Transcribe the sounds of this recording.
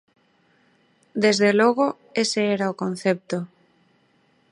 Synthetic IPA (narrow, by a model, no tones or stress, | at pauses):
d̪ezðeloɣ̞o | eseeɾaokon̟θep̚t̪o